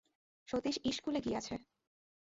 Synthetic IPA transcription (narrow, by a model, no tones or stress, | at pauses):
ʃot̪iʃiʃkuleɡijat͡ɕʰe